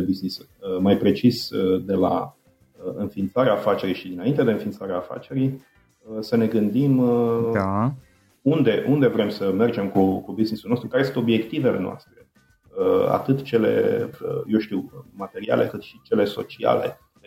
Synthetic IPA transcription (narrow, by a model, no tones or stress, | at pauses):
ebiznisu | majpɾe̞t͡ʃisd̪e̞la̰ | əɨnfint̪saɾeaːfat͡ʃe̞ɾijʃid̪inaint̪e̞d̪eɨnfint̪saɾeaːfa̰t͡ʃe̞ɾij | səne̞ɡɨnd̪ima | und̪e̞ʔund̪e̞vɾe̞msəme̞rd͡ʒe̞mkukubiznisulno̞st̪ɾukaɾesɨnt̪o̞bje̞kt̪ive̞le̞noa̰st̪ɾe̞ | əa̰t̪ɨt̪t͡ʃe̞le̞̰jewʃt̪iwmat̪e̞ɾia̰le̞kɨt̪ʃit͡ʃe̞le̞so̞̰t͡ʃia̰le̞̰